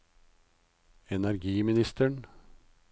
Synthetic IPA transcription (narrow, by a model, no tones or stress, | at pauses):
ɛnæɾɡiːmɪnɪst̪əɳ